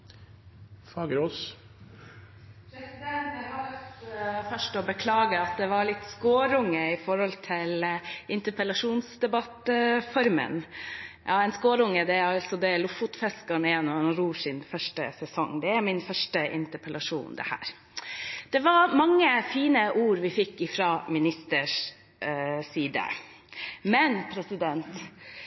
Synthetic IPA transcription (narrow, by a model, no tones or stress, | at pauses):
fɑːɡəɾoːs | pʰɾɛsɪd̪ɛnɦɑl | fœʂʈɔbəkʰlɑːɡəɑt̪̚d̪ɛʋɑɾɭɪt̪ːskoːɾʊŋːəɪfɔɾhɔlt̪ʰɪlʔɪnt̪əpəlɑʂuːnsd̪ɛbɑt̪fɔɾmə̰njʔɑ̰ːɛnskoːɾʊŋːəd̪ɛɑlt̪sɔd̪ɛlʊfʊt̪fɛskəɳɛnːɔɑnɾuːʂɪnfœʂʈə̰sɛsɔ̰ŋːd̪ɛæɾmɪnfœʂʈəʔɪ̰nt̪əɾpʰəlɑʂṵːnd̪ɛ̰hæ̰ːɾ | d̪̥ɛʋɑɾmɑŋːəfiːnəʔuːɾʋɪfɪkːɪfɾɑmɪnɪst̪əʂ | siːd̪ə̰ | mɛnpʰɾɛsɪd̪ɛnt̪